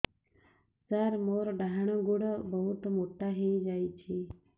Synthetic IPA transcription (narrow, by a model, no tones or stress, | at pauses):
səɾmoɾɖaɦɳ̃əɡuɽbəɦut̪moʈaɦed͡ʒajt͡ʃʰi